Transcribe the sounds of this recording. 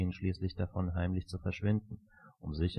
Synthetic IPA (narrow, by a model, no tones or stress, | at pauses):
ənʃliːslɪçd̥afɔnɦaɪmlɪçt͡sufɛɐʃv̥ɪnd̚n̩ | ʔʊmzɪç